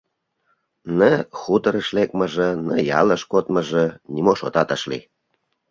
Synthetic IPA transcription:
nəxut̪əɾəʃlek̚mə̆ʒə̆nəjɑləʃkot̪mə̆ʒĕnʲimoʃot̪ɑt̪əʃlḭ

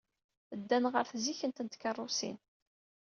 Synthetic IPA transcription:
əd̪ːænʁəɾθziçənt̪ənt̪kɑrˤːʊsḭn

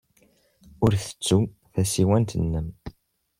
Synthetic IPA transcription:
ʊɾθə̥t͡sːu | θæsiwænt̪ənːəm

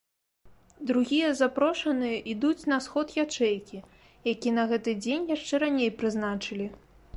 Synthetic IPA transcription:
d̪ɾuɣʲijɐzapɾɔʂɐnɨjɐʔid̪ut͡sʲnɐsxɔt̪jat͡ʂɛjkʲi | jakʲinɐɣɛt̪ɨd͡zʲenʲjaʂt͡ʂɛɾanʲejpɾɨznat͡ʂɨlʲi

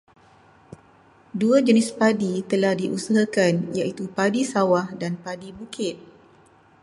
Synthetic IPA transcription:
duad͡ʒənɪspadit̪əlahdiʔusaɦakanjaʔit̪upadisawahdanpadibukɪt̪̚

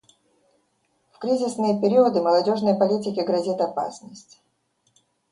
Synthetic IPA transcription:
fkɾʲizʲɪsnɨjəpʲɪɾʲiəd̪ɨməlˠɐdʲo̞ʐnəjəpɐlʲitʲɪkʲɪɡɾɐzʲit̪ɐpa̰snəsʲtʲ

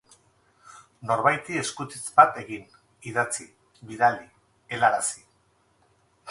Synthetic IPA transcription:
no̞ɾβajt̪ie̞skut̪it͡sbat̪e̞ɣin | iðat͡si | βiðald̪i | e̞laɾasi̥

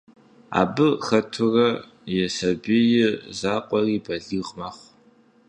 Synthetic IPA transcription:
a̰ːbɨxɐtʰʊrɐ | jɛsɐbijɪzaːqʷʼɔriːbɐɮɨːʁmaːχʷ

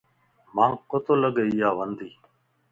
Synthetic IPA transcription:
mãːkot̪oːləɠeːijaːʋənd̪iː

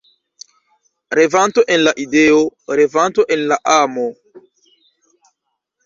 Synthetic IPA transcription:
ɾevant̪oʔenlaʔideoɾevant̪oʔenlaʔamo

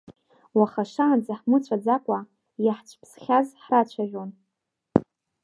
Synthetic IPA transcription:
waχaʂand͡zaħmɨt͡ɕʷʰad͡zakʷʼa | jaħt͡ɕʷʰʼpʰsχʲazħrat͡ɕʷʰaʒʲᶣon

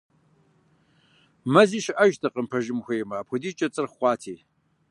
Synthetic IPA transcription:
mɐziːʃɪʔɐʒtʰɐqəmpʰɐʒɪmxʷeːjmaːpʰʷʊdiːt͡ʃʼɐt͡sʼɨrχʷɑːtʰiː

